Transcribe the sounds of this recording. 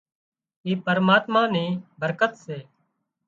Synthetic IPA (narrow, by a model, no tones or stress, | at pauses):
iːpəɾmaːt̪mãːnĩːbʱəɾkət̪seː